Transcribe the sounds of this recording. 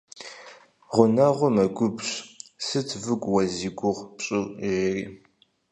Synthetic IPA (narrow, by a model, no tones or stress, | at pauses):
ʁʷʊnɐʁʷʊmɐɡʷʊbɕsɨt͡sʰvɨɡʷʼwɐziɡʷʊʁpɕʼɪlʒerḭː